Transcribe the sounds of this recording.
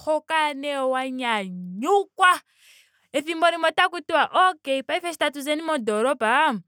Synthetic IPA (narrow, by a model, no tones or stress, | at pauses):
kʰɔkanɛwaɲaɲukwa | efimbɔɾimɔtakutiwaʔɔkeipaifɛʃi̥tatuzenimɔdɔɾɔbʱa